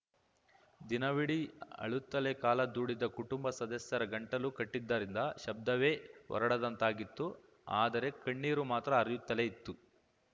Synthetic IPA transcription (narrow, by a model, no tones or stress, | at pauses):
d̪inɐʋiɽiɐ̰ɭut̪ːɐlekaːlɐd̪uːɽid̪ɐkuʈumbɐsɐd̪ɐsjɐɾɐɡɐɳʈɐlukɐʈːid̪ːɐɾind̪ɐʃɐb̚d̪ɐʋe̞ːʋɔ̰ɾɐɽɐd̪ɐnt̪aːɡit̪ːu | aːd̪ɐɾe̞kɐɳːiːɾumaːt̪ɾɐːɾjut̪ːɐleit̪ːu